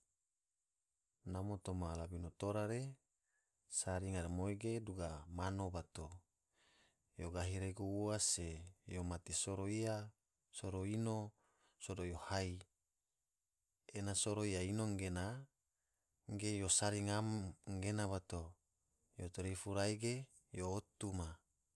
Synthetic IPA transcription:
namot̪omalabinot̪oɾaɾe | saɾiŋaɾamoiɡeduɡamanobat̪o | joɡaɦiɾeɡuuasejomat̪isoɾoia | soɾoino | sodojohai | enasoɾoijainoŋɡena | ŋɡejosaɾiŋamŋɡenaβat̪o | jot̪oɾifuɾaiɡe | joːt̪uma

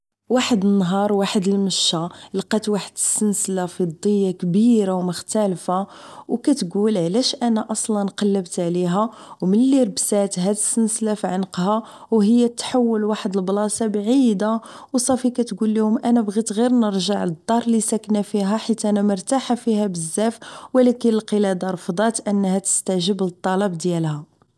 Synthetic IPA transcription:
waħəd̪ənːɦɑɾˤwaħəd̪əlməʃːalqɑt̪waħəd̪əsːənslafid̪ˤːəjːakbiɾawməxt̪ælfawkæt̪ɡulʕlæʃʔænæʔɑsˤlɑnqɑlːəbt̪ʕliɦæ | wməlːiɾbsæt̪ɦæd̪əsːənslafiʕənqha | wɦəjːæt̪ːħawːəlwaħəd̪əlblɑsɑbʕid̪a | wsˤɑfikæt̪ɡulːihʊmʔænæbɣit̪ɣiɾnəɾˤʒaʕləd̪ˤːɑɾˤlisæknæfiɦæħit̪ʔænæmʊɾˤt̪aħafihæbəzːæfwlækənəlqəlæd̪ɑɾˤfd̪ˤɑt̪ʔənːhæt̪ə̥st̪æʒəblət̪ˤːɑlɑbd̪jælhæ

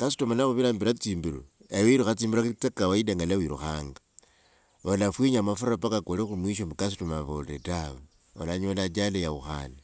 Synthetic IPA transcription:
kasi̥tomanaxuβiɾaːmbiɾat͡siːmbiɾṵejoiɾuxat͡siːmbiɾat͡sekawaideŋɡalawiɾṵxaːŋɡa | olafwiɲamafuɾapakakolixumwiʃ̬omukasutumaβolḛtaβo | olaɲolat͡ʃalejaβuxa̰na

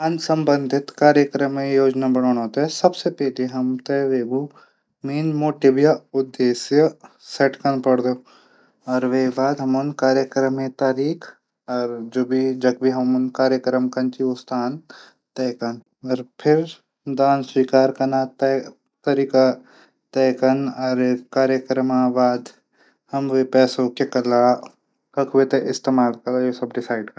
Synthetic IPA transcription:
ɐnsɐ̃mbə̃nd̪ʱɪt̪kaːɾjəkɾəmːẽjoːd͡ʒnabɐɳoːɽ̃ɦoːt̪aɦɛsɐbsepɛːliɦɐmt̪eʋeːbu | miːnmoːʈibjaʊd̪ːeːsjə | seʈkɐnpɐɽd̪oː | ɔːɾʋeːbaːd̪ɦɐmonkaːɾjəkɾəmẽt̪aːɾiːk | ɔːɾd͡ʒoːbʱid͡ʒɐɡbʱiɦɐmunkaːɾjəkɾəmkɐnt͡ʃiʊst̪ʰaːn | t̪ɛːkɐn | ɔɾpʰɪɾ | d̪aːnswiːkaːɾkɐnaːt̪ | t̪ɐɾiːka | t̪ɛːkɐnɔːɾkaːɾjəkɾəmaʋaːd̪ | hɐmʋepɛːsokekɐlaː | kɐkʰʋet̪eʔɪst̪eːmaːlkɐlajosɐbɖɪsaːɪɖkɐ

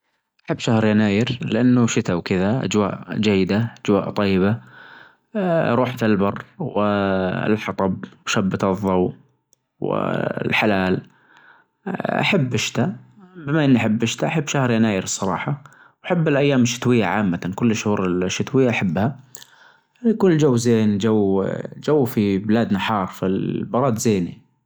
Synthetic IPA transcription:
ʔaħabːʃahɾjanaːjɪɾlɪʔanːʊʃɪt̪awkɪðaʔa̰d͡ʒwa̰ːʔd͡ʒajːɪd̪aʔad͡ʒwaːʔt̪ˤɑjːɪba | ɾˤuːħfɪlbɑrˤːwɪɪ̰lħɑt̪ˤɑb̚wʃabːɪt̪ɨðˤːɑw | wɪ̰lħalaːl | ʔa̰ħabːɪʃt̪abɪmaʔɪnːiʔaħabːʔɪʃt̪aʔaħɪbːʃahɾˤjanaːjɪɾsˤːɑɾˤɑ̰ːħɑ | wʔaħabːɪlʔajːaːmɪʃːɪ̥t̪wɪjːaʕaːmːaakʊlːɪʃhuːɾɪlʃːɪt̪wɪjːaʔaħabːha | kʊnld͡ʒawːzeːnd͡ʒawd͡ʒawːfibɪlaːd̪naħɑːɾˤfilbɑɾˤɑːd̪zeːnḭ

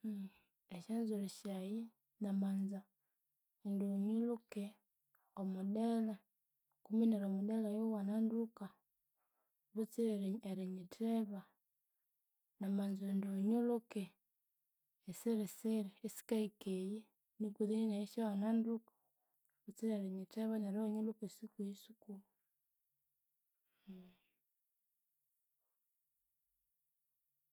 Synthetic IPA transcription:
eʃanzuɾiʃaji | namanza | endoɲuluke | omudela | kumineɾomudelajowananduka | βut͡siɾeɾeɾiɲitʰeβa | namanzondoɲuluke | seɾeseɾiesi̥kaikeje | nikuðininaiʃawanandukḁ | βut͡siɾeɾeɲiteβanaɾaɲolokesikuisukuu

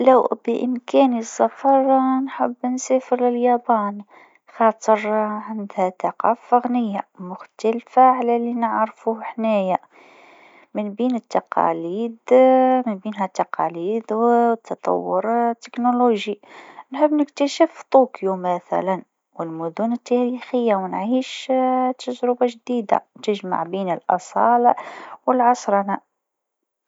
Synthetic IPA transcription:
læwbəʔəmkænisːɑfɑɾˤnħəbːnsæfəɾlɪljæbæn | xɑt̪ˤəɾʕand̪hæt̪ɑqɑ̰ːfɑɣnəjːamʊxt̪ælfaʕlælinəʕɾfuhħnæja | mənbiːnət̪ːɑqɑ̰liːd̪mɪnbiːnɦæt̪ːɑqɑ̰liːd̪wt̪ʰːɑt̪ˤɑ̰wːʊɾt̪ːɪknuluʒinħəbːnɪkt̪æʃəft̪ˤuːkjumæθæ̰læn | wɪlmʊd̪unət̪ːæɾixəjːawnʕiːʃt̪ːaʒɾʊbaʒd̪iːd̪a̰t̪ɪʒma̰ʕbiːnɪlʔɑ̰sˤɑːlwəlʕɑsˤɾˤɑna

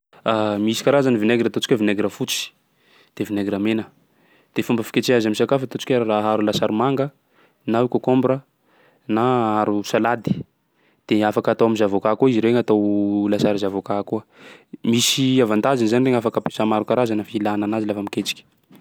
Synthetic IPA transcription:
amisi̥kaɾazanivineɡiɾat̪ot͡si̥kʲavineɡɾafut͡si̥ | d̪̥evineɡɾamenə | d̪̥efumbəfi̥kʲet͡seazamisakafat̪ot͡si̥kʲearaɦaɾulasaɾimaŋɡə | naukʲakombɾə | naaɾusalad̪i̥ | d̪̥eafakat̪owamizavokakuiziɾeŋat̪owlasaɾizavokakuəmisiavant̪azinzanireŋafakape̥samaɾukaɾazanafilananazilafamiket͡si̥kʲi̥

